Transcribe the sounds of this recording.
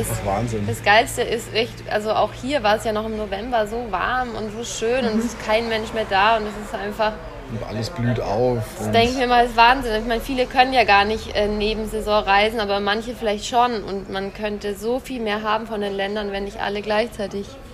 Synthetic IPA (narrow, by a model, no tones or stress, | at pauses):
d̥assva̰ːnzɪnd̥asɡ̥aɪlstəʔɪstʔɛçtʔa̰lzoaʊxhiːɐvaːɐɛsjaːnɔχɪmnovɛmbɐzoːva̰ɐmʊ̰ntz̥oːʃøːnʊntɛsɪstkʰaɪnmɛnʃmeːɐdaːʊntɛsɪstʔaɪnfaχ | ʔa̰ləsb̥lyːta̰ʊfd̥asd̥ɛŋkəɪçmiːɐɪmasvaːɐnzɪnɪçmaɪnfiːləkʰœnənjaːɡaːɐnɪçtʔɛːneːbm̩zɛzɔ̃ːʁaɪzn̩ʔaːbɐmançəfɪlaɪçtʃonʊ̰ntmankʰœntəzoːfiːlmeːɐɦaːbm̩fɔndeːnlɛndɐnvɛnːɪçtʔa̰ləɡlaɪçt͡saɪtɪç